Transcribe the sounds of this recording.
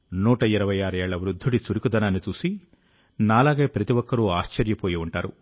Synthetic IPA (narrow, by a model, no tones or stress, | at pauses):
nuːʈɐiɾɐʋɐjaːɾɐɛːɭːɐʋɾud̪ʱːuɽisuɾikud̪ɐnaːnːit͡ʃuːsi | naːlaːɡeːpɾɐt̪iʋɔkːɐɾuaːʃt͡ʃɐɾjɐpoːjiuɳʈaːɾu